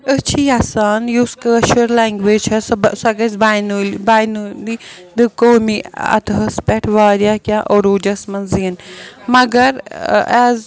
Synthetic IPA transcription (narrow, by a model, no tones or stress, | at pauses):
ət͡ʃʰiaːsaːnjuːskəːʃəɾlɛːŋɡʋeːt͡ʃʰɐssɐɡɐsbajnulbaːjnuli | d̪ɨkoːmiɐ̰t̪ɦɐspɛʈʰʋaːɾjaːkʲãʔoɾuːd͡ʒɐsmɐnzinmɐɡɐɾɛːz